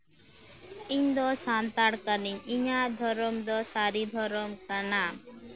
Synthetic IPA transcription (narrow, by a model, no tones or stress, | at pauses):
iɲd̪ɔsant̪aɽkaniɲiɲad̪ʱɔɾɔmd̪ɔsaɾid̪ʱɔɾɔmkana